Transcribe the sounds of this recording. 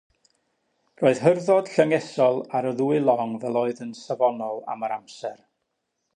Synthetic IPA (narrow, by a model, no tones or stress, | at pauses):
roːɨð̥ɦərðɔd̥ɬəŋɛsɔlˠaɾəðuːɨlˠɔŋvɛlˠoːɨðənsavɔnɔlˠa̰məɾamsɛr